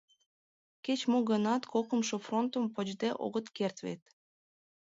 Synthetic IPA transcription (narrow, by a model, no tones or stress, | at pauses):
ket͡ɕmoɣə̆nɑt̪kʰokə̆mʃofront̪ə̆mpəd͡ʑd̪eʔo̰ɣə̆t̪kert̪vḛt̪